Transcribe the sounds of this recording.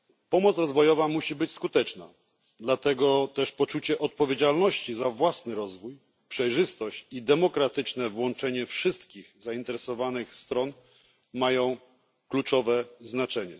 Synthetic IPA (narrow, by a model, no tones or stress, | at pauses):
pɔmɔt̪sɾɔzvɔjɔvamuɕibɘt͡ɕskut̪ɛt͡ʂna̰ | d̪lat̪ɛɡɔt̪ɛʂpɔt͡ʂut͡ɕɛʔɔt̪̚pɔvʲjed͡ʑalnɔɕt͡ɕizavwasnɘɾɔzvuj | pʂɛjʐɘst̪ɔɕt͡ɕid̪ɛmɔkɾat̪ɘt͡ʂnɛvwɔnt͡ʂɛɲɛfʂɘst̪kʲiɣzaint̪ɛɾɛsɔvanɘxst̪ɾɔn | majɔ̃w̃ | klut͡ʂɔvɛznat͡ʂɛɲɛ